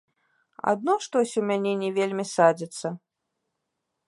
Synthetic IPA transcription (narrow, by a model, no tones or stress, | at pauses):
a̰d̪̚nɔʂt̪ɔsʲumʲanʲɛnʲɛvʲelʲmʲisad͡zʲit̪sːɐ